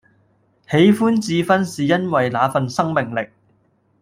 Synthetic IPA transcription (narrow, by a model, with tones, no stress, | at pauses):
he˨˥jfuː˥nt͡siː˨˧fɐ˥nsiː˨jɐ˥nwɐ˨jlaː˨˧fɐ˨nsɐ˥ŋmɪ˨˩ŋlɪ˨k̚